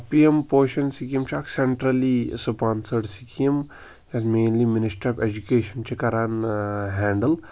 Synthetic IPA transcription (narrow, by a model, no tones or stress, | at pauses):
piempoːʃɐnsikijɐmt͡ʃʰakseɳʈɾɐlisupaːnsəɽsikijɐm | ɐsmeːnliminɪsʈɾɐfed͡ʒukeːʃɐnt͡ʃʰikɐɾaːnɦɛːɳɖəl